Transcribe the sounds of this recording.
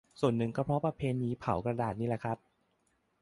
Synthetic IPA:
su˨˩ənːɯ˨˩ŋkʰɔ˧˥˩pʰɾɔ˦˥pɾa˧pʰeː˧niː˧˥pʰa˨˩˦wkɾa˧daː˨˩t̪̚niː˦˥˩la˨˩kʰɾa˦˥p̚

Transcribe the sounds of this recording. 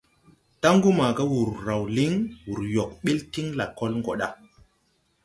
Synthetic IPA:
ta˦ŋɡu˦ma˨ɡa˦wu˨ɾːa˨wli˦ŋwu˨ɾjo˨k̚ɓe˦lti˦ŋla˨kːo˦lŋɡo˨ɗa˦

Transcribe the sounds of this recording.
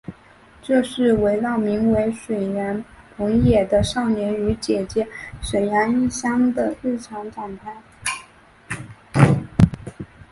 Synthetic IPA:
ʈ͡ʂɤ˥˧ʂɻ̩˥˩we˧˥ɪlɑ˥˩ʊmi˧˥ŋwe˧˥ɪʂwe˨˩ɪɻə˧˥npʰʊ˧˥ŋjɛ˨˩d̪ə˦ʂɑ˥˩ʊnjɛ˧˥ny˧˥t͡ɕjɛ˨˩t͡ɕjɛ˥ʂwe˨˩ɪna˧˥ni˥˩ɕjɑ˥ŋd̪ə˨ɻɻ̩˥˩ʈ͡ʂʰɑ˧˥ŋʈ͡ʂɑ˨˩ŋt̪ʰa˥˩ɪ

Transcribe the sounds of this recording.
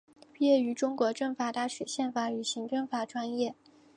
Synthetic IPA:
pjɛ˥˩y˧˥ʈ͡ʂʊ˥ŋkwɔ˧˥ʈ͡ʂɤ˥˩ŋfa˥˧t̪a˥˩ɕɥɛ˨˩ɕjɛ˥˩nfa˧˥y˨˩ɕi˧˥ŋʈ͡ʂɤ˥˧ŋfa˥˩ʈ͡ʂwa˥njɛ˥˩

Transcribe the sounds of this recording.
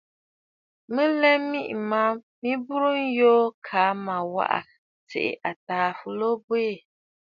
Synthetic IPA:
mɨ˦lɛ˦mi˦ʔma˦ | mi˦bu˦ɾu˦n̩˦joː˦kʰa˨˦ma˨wa̰˦ʔa̰˨ | tḛ˨ʔɪ̰˨ʔa˨taː˨fu˨lo˦bwe˦˨

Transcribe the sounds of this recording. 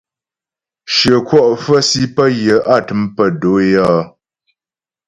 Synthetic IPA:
ʃə˨kwɔ˦ʔfə˦si˦pə˦jə˨ʔa˦˨tɨ˨˦mpə˨do˨˦jɔː˦

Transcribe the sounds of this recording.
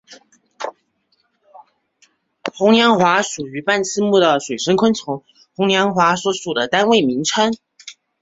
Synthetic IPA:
xʊ˧˥ŋnjɑ˧˥ŋxwa˧˥ʂu˨˩y˧˥pa˥˩nt͡sʰɹ̩˥˧mu˥˩d̪ə˨˩ʂwe˨˩ɪʂə˥ŋkʰwə˥nt͡sʰo˧˥ŋ | xʊ˧˥ŋnjɑ˧˥ŋxwa˧˥swɔ˧˥ʂu˨˩d̪ə˦t̪a˥nwe˥˩ɪmi˧˥ŋʈ͡ʂʰə˥n

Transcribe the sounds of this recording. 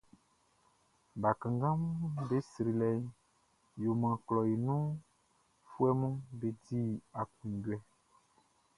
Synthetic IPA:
ba˨kã˨ŋɡã˦m˦be˦si˨ɾi˨lɛ˨˦ | jo˨mã˨klɔ˨ji˨nũ˦ | fu˦ɛ˦mũ˦be˨di˦a˨kũ˨n˨ɟwɛ˨

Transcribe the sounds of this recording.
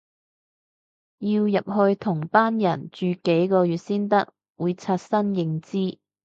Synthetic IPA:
jiː˧wjɐ˨p̚ɦɵ˧ɥt̪ʰʊ˨˩ŋpaː˥njɐ˨˩nt͡ʃyː˨ke˨˥jkɔː˧jyː˨t̚siː˥nt̪ɐ˥k̚ | wuː˨˧jt͡sʰaː˧t̚sɐ˥njɪ˨˧ŋt͡siː˥

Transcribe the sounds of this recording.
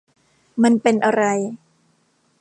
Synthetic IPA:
ma˧npe˧nʔa˧ɾa˧j

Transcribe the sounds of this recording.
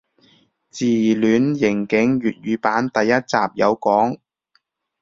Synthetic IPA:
t͡siː˨˩lyː˨˧˥njɪ˨˩ŋkɪ˨˥ŋjyː˨t̚jyː˨˧paː˨˥nt̪ɐ˨jːɐ˥t̚t͡saː˨p̚jɐ˨˧wkɔː˨˥ŋ

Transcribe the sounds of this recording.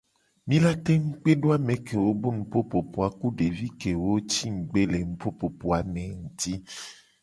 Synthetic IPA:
mĩ˦la˦t̪e˦ŋ̩˦k͡pe˦ɖo˦a˦mẽ˨ke˨wo˦bo˦nũ˨po˦po˨po˨a˨ku˦ɖe˨vi˦ke˨wo˦t͡ʃi˦ŋ̩˨ɡ͡be˦le˨ŋũ˨po˦po˨po˨a˨mẽ˨ŋ̩˨t̪i˦

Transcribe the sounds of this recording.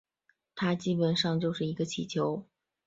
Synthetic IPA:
t̪ʰa˥t͡ɕi˥pə˨˩nʂɑ˥˧ŋt͡ɕjo˥˧ʊʂɻ̩˥˩i˧˥ɡə˧t͡ɕʰi˨˩t͡ɕʰjo˧˥ʊ

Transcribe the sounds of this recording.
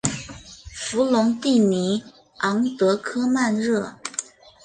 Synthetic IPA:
fu˧˥lʊ˧˥ŋt̪i˥˩ni˧˥ | ɑ˧˥ŋt̪ɤ˧˥kʰɤ˥ma˥˧nɻɤ˥˩

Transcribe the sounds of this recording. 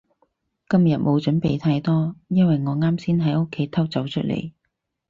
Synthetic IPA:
kɐ˥mjɐ˨t̚mʔo˨˧wt͡ʃɵ˨˥npe˨jt̪ʰaː˧jt̪ɔː˥jɐ˥nwɐ˨jŋɔː˨˧ŋaː˥msiː˥nɦɐ˨˥jo˥kʰːe˨˥jt̪ʰɐ˥wt͡sɐ˨˥wt͡ʃʰɵ˥t̚lḛ˨˩j

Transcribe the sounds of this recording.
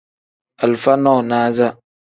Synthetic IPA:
a˨lfa˦nɔː˦˨naː˦za˦

